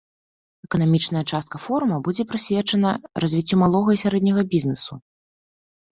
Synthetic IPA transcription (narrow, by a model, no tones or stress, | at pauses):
ɛkɐnamʲit͡ʂnɐjɐt͡ʂast̪̚kɐfɔɾumɐbud͡zʲɛpɾɨsʲvʲɛt͡ʂɐnɐrɐzʲvʲit͡sʲːumalˠɔɣɐisʲaɾɛd̪nʲɐɣɐbʲiznɨsu